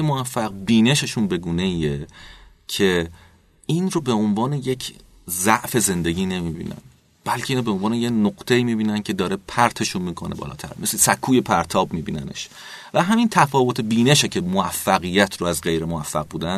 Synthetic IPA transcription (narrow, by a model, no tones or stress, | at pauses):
emoæfːæqbiːne̞ʃeʃunbe̞ɡuːne̞iːe | cʰe̞ | inɾobeonvɒːneje̞cʰ | zæʔfe̞ze̞nd̪e̞ɟiːne̞miːbḭːnæ̰n | b̥ælcʰeiːnobe̞onvɒːnejenoqt̪ʰeiːmiːbiːnæncʰe̞d̪ɒːɾe̞pʰæɾt̪ʰe̞ʃunmiːkʰo̞̰nḛbɒ̰ːlɒ̰ːt̪ʰæ̰ɾmeslesækʰuːje̞pʰæɾt̪ʰɒːbmiːbiːnæ̰ne̞̰ʃ | væɦæmint̪ʰæfɒːvot̪ʰe̞biːneʃecʰe̞moæfːæɣijæt̪ʰɾoæzɢe̞jɾemoæfːæ̰ɣ̚buːd̪æn